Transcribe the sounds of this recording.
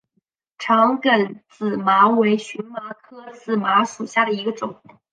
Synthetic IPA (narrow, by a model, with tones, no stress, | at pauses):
ʈ͡ʂʰɑ˧˥ŋkə˨˧˩nt͡sɹ̩˨˩ma˧˥we˧˥ɪɕy˧˥nma˧˥kʰɤ˥˧t͡sɹ̩˥˩ma˧˥ʂu˨˩ɕja˥˩ɾə˩i˧˥ɡə˧ʈ͡ʂʊ˨˩˦ŋ